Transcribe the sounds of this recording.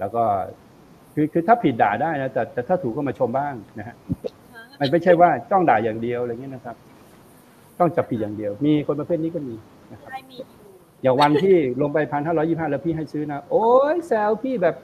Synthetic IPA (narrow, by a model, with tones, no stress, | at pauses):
lɛː˦˥˩wkɔː˥˩ | kʰɯː˧kʰɯː˧t̪ʰaː˥˩pʰi˨˩t̪̚daː˨˩daː˥˩jna˦˥t̪ɛː˨˩t̪ɛː˨˩t̪ʰaː˥˩t̪ʰuː˨˩kːɔ˥˩maː˧t͡ɕʰo˧mbaː˥˩ŋna˦˥hʰa˦˥ʔ | ma˧nma˥˩jt͡ɕʰa˥˩jwaː˥˩t͡ɕɔ˥˩ŋdaː˨˩jaː˨˩ŋdi˧əwɾa˧ŋi˦˥˨na˦˥kʰa˦˥p̚ | t͡ɕɔ˥˩ŋt͡ɕa˨˩pʰi˨˩t̪̚jaː˨˩ŋdi˧əwmiː˧kʰo˧npa˧pʰe˥˩t̪̚niː˦˥kɔː˥˩miː˧ | na˦˥kʰa˦ | jaː˨˩ŋwa˧nt̪ʰiː˥˩lo˧ŋp̬a˧jpʰa˧nhɦaː˥˩ɾɔ˦˥ji˥˩ɦaː˥˩lɛ˦˥˩pʰiː˥˩ɦa˥˩jsɯː˦˥na˦˥ʔoː˧˦jsɛː˧˥wpʰiː˥˩bɛː˨˩p̚